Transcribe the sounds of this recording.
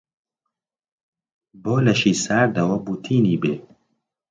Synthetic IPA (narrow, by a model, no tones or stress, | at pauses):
boːlɐʃiːsaːɾd̪ɐwɐbut̪ʰiːniːbeː